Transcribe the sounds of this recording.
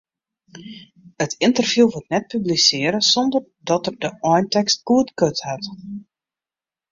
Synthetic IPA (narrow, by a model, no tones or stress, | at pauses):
ətʰɪntərv̥juːʋotnɛt̚pyblisɪːəɾəsɔndər | dɔtərdəɔjntɛkst̚kuətkøthat